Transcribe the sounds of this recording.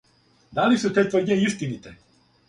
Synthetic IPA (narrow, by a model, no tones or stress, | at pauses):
d̪alisut̪et̪voɾɲeist̪init̪ɛ